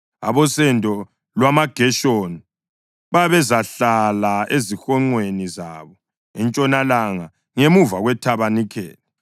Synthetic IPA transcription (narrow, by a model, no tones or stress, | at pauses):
a̰βɔsɛntʼɔ | lwamaɡ̥ʱɛʃoni | βaβɛzaɬalaezixɔŋ͡ǀwenizaβɔ | ɛnt͡ʃʼɔnalaŋa | ŋemuvaɣwɛtʰaβanikʰɛ̰ːlɛ